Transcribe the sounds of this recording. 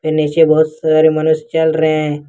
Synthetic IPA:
pɪnet͡ʃebɐɦʊt̪saːɾemɐnʊst͡ʃɐlɾəɦeɛ̃ː

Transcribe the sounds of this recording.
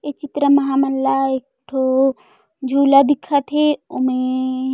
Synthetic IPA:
et͡ʃit̪ɾəmɐɦamɐlːaek̚ʈʰo | d͡ʒʱuːlad̪ikʰːat̪ʰeomẽ

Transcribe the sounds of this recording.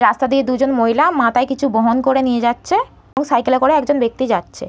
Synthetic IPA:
ɾast̪ad̪ied̪ud͡ʑonmoɦjlamãt̪aekit͡ɕʰuboɦonkoɾenijed͡ʑatːɕʰe | eboŋsajkelekoɾeɛkd͡ʑonbek̚t̪id͡ʑatːɕʰe

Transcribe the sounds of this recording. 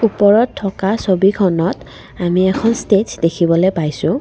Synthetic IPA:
upɔɹɔtʰːɔkasobikʰɔnɔt | amiɛkʰɔnstetdekʰibɔlojpajsʊ̃

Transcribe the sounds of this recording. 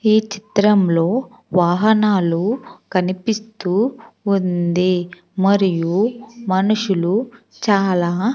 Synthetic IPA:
iːt͡ʃi̥t̪ɾɐmlo̞ː | ʋaːɦɐnaːlukɐnipist̪uːund̪i | mɐɾijumɐnuʂulu | t͡ʃaːlaː

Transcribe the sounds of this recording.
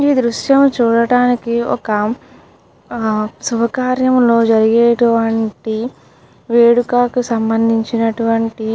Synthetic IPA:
iːd̪ɾuʃjɐmt͡ʃuːɽɐɽaːnikiɔ̰kɐ | subɐkaːɾjɐmlo̞ːd͡ʒɐɾiɡeːʈuʋɐɳʈi | ʋeːɽukaːkusɐmbɐnd̪ʱiɲt͡ʃinɐʈuʋɐɳʈi

